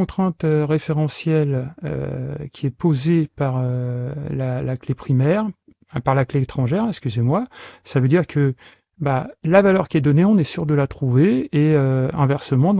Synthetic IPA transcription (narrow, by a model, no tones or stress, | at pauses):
ɔ̃t̪χɛ̃t̪øʁefeʁɑ̃sjɛlø̰kʲʰiɛpozepaʁølalaklepχimɛʁ | ɛ̃paʁlakleːt̪χɑ̃ʒɛʁɛ̃ɛkskʲyzemwasavød̪iʁkʰə | balavalœʁkʲiɛd̪ɔneɔ̃nɛsyʁd̪əlat̪χuveːøɛ̃vɛʁsəmɑ̃